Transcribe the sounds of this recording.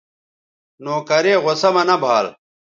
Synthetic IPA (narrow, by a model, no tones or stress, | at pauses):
noːkɐɾeːʁosɐmɐnɐbʱaːl